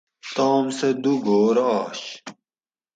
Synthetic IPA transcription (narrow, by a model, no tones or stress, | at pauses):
t̪aːmsed̪uɡoːɾɑːɕ